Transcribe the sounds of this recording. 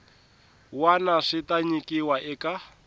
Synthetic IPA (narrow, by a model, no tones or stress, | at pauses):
wanaʂitaɲikiwaʔɛka